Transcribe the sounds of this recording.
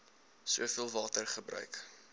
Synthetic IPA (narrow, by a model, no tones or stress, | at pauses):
suəfiəlˠvɑːtərχəbɾœ̰ɥk